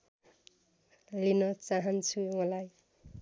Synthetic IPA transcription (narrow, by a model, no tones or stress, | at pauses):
linʌt͡saɦʌnt͡sʰumʌlaj